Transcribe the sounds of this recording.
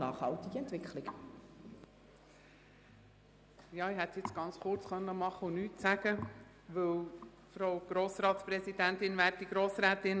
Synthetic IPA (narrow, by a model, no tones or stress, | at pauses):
nɑːχhɑlt̪ɪɡəɛntv̥ɪkʰlɪk | jɑːiɦɛt̪jɪt͡sɡ̥ɑnt͡sχʊrt͡sχœnːəmɑχəunyːtsæɡə | ʋɵw | fɾoʊɡ̥ɾoːsɾɑːt̪sprɛsid̥æntɪnvæːrt̚diɡ̥ɾoːsɾæːtɪn